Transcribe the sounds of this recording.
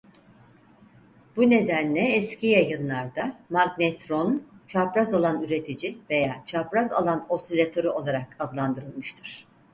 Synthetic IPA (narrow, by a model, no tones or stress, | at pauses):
bune̞d̪ænlːʲɛɛscijajɯnlˠaɾd̪amaɡnet̪ɾo̞nt͡ʃʰapɾazalˠanyɾe̞t̪ʰid͡ʒive̞jaːt͡ʃʰapɾaza̰lˠano̞silʲat̪ʰo̞ɾyʔo̞lˠaɾakad̪lˠand̪ɯɾɯlˠmɯʃt̪ʰɯɾ̥